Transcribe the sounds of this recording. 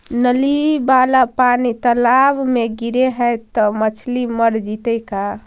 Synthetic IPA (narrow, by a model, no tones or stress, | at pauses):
nəlibalapanit̪əlabmeɡiɾeɦəjt̪ɔmət͡ʃʰliməɾd͡ʒit̪əjka